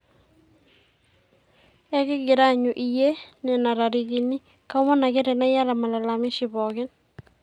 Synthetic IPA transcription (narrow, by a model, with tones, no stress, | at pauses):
ɛ˦kɪ˦ɡɪ˨ɾa˦ɲu˨ʔi˨je˦nɛ˨na˨ɾa˨ɾiɣini˦ | ka˦mɔ˦na˨ɡɛ˦ɾɛ˨na˦ja˦la˨ma˨la˨lamɪ˦ʃiβɔɣɪ˦n